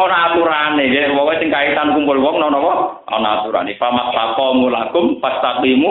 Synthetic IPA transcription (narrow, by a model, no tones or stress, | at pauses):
ɔnaat̪uɾanekewɔkɔsɪŋkait̪ankumpʊlwɔŋnɔnɔkɔ | ʔɔ̰naat̪uɾa̰nipamatlakɔmulaɡʊmpast̪abimu